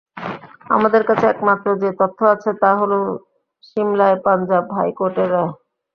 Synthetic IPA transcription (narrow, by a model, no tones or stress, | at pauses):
a̰mad̪eɾkat͡ɕʰeɛkmat̪ːɾod͡ʑet̪ot̪ʰːoat͡ɕʰet̪aɦolo | ʃimlaepand͡ʑabɦajkoʈeɾɛe